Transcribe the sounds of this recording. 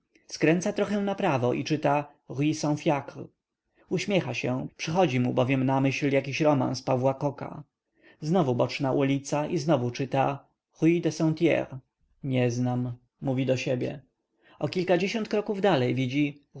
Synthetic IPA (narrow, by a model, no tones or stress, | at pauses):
skɾɛnt̪sat̪ɾɔxɛ̃napɾavɔʔḭt͡ʂɘt̪a | ʁisɔ̃w̃fʲjakɾ | uɕmʲjɛxaɕɛpʂɘxɔd͡ʑimubɔvʲjɛmnamɘɕljakʲiɕɾɔma̰nspavwakɔka̰ | znɔvubɔt͡ʂnaʔulʲit̪saʔiznɔvut͡ʂɘt̪a | ʁujid̪ɛsɔ̃t̪ʲjɛ̰ɾ | ɲɛznamː | uvʲid̪ɔɕebʲjɛ̰ | ɔkʲilkad͡ʑeɕɔ̃nt̪̚kɾɔkuvd̪alɛjvʲid͡ʑi